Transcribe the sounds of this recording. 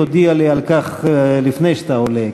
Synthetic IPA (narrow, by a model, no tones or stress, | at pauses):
od̪ialialkaχlifnejʃat̪aole